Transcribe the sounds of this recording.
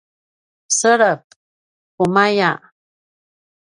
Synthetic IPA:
səɾəp̚ | kumaja

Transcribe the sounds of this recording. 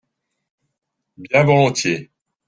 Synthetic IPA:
bjɛ̃vɔlɔ̃t̪je

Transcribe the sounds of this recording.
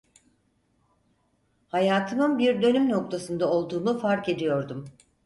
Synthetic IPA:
hajaːt̪ʰɯmɯnbiɾd̪ø̞nymno̞k̚t̪ʰasɯnd̪ao̞lˠd̪uːnufaɾke̞d̪ijo̞ɾd̪um

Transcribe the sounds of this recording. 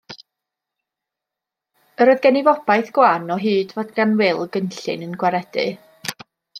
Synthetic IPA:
əɾɔːɨðɡɛnɪvɔb̥ajθɡ̥wanɔɦɨːdvɔdɡanwɪlˠɡənɬɨ̰nənɡwaɾɛdɨ̰

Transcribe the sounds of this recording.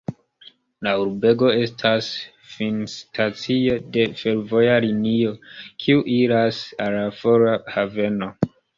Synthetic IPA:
lauɾbe̞ɡo̞e̞stʰas | finstʰat͡sio̞de̞fe̞ɾvo̞jaɾinio̞kʰiuʔiɾasalafoɾahave̞no̞

